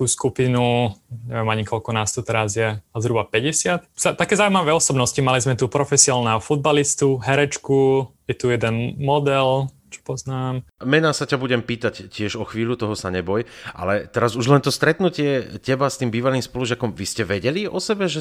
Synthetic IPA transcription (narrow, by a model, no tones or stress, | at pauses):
t̪uskupinuɲɛ̰ʋjɛmaɲikʰɔlkɔnaːst̪ɔt̪ɛɾazjɛazɾubapɛɟɛsɪat̪z̥at̪akɛːzaːuimaʋɛːɔsɔbnɔscimalizmɛt̪upɾɔfɛsiaːlˠnɛɦɔfud̪̚balist̪uɦɛɾɛt͡ʃkujɛt̪ujɛd̪ɛnmɔd̪ɛl | t͡ʃɔ̥pɔznaːmmɛnaːsacabuɟɛmpiːt̪accːɪɛʒɔxʋiːʎut̪ɔɦɔsaɲɛbɔjʔa̰lɛt̪ɛɾazuʒlɛnt̪ɔst̪ɾɛt̪nucɪɛcɛbast̪iːmbiːʋaliːmspɔluʒɪakɔmʋiscɛʋɛɟɛliɔsɛbɛʒɛ